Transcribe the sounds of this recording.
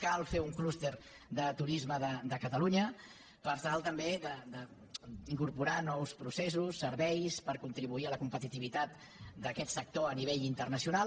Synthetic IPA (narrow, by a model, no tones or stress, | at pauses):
kalˠfeuŋklust̪eɾ | d̪ət̪uɾizməðəd̪əkət̪əluɲə | pəɾt̪alˠt̪əmbed̪əd̪ə | iŋkuɾpuɾanɔwspɾusesusːəɾβɛjspəɾkunt̪ɾiβuiələkumpət̪it̪iβit̪at̪̚ | d̪əkɛt̪sək̚t̪oəniβ̞eʎint̪ərnəsiuna